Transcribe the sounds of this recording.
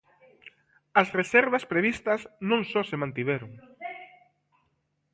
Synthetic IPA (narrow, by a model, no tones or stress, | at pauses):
ɐsresɛɾβɐspɾeβist̪ɐsnõŋsɔsemãnt̪iβɛɾʊŋ